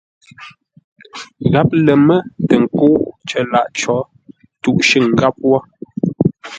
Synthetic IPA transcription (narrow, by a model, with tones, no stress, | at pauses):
ɣa˨˦p̚lə˨mə˦tə˨ŋ̩˨koː˦t͡ʃə˨la̰˦˨ʔt͡ʃɔ˨˦ | tu˦ʔʃə˦˨ŋ˨ɡa˦p̚wɔ˦